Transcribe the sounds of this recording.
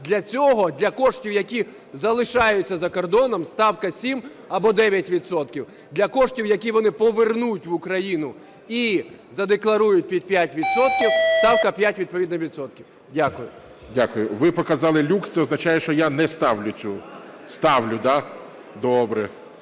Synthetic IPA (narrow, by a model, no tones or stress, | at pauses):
d̪lʲɐt͡sʲɔɦɔd̪lʲɐkɔʂtʲiwjɐkʲi | zɐlˠɪʃɑjʊt͡sʲːɐzɐkɔrd̪ɔnɔmst̪ɑwkɐsʲim | ɐbɔd̪ɛʋʲjɐtʲʋʲit̪sɔt̪kʲiw | d̪lʲɐkɔʂtʲiwjɐk̬ʲiʋɔnɪpɔʋernujtʲʋʊkɾɐjinʊ | i | zɐd̪eklˠɐɾujʊt̚ʲpʲid̪̚ʲpʲjatʲʋʲid̪sɔt̪̚kʲiwst̪ɑwkɐpʲjatʲʋʲid̪̚pɔʋʲid̪nɔʋʲit̪sɔt̪kʲiw | dʲakʊjʊ | dʲakʊjʊʋɪpɔkɐzɑlˠɪlʲukst̪sɛɔznɐt͡ʃajɛʃt͡ʃɔjanɛst̪ɑwlʲʊt͡sʲust̪ɑʋlʲʊd̪a | d̪ɔbɾɛ